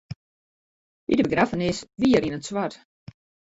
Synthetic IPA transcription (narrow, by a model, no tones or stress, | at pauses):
ḭdəbəɡrafənɪsʋiəɾinətswart